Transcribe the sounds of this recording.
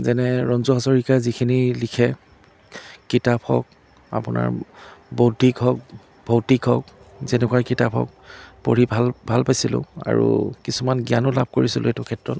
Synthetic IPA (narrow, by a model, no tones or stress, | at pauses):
zɛnɛɹɔnzɔɦazɔɹikazikʰinilikʰɛ | kitaphɔ̰k̚ | a̰pʊna̰ɹbodʱikʰɔk̚ | bʱotikʰɔk̚ | zɛnɛkwaɹkitapʰɔ̰k̚poɹibʱalbʱalpajsilʊ̰̃a̰ɹṵkisumanɡianɔlab̚ʱkoɹisilʊetʊkʰɛtɹɔt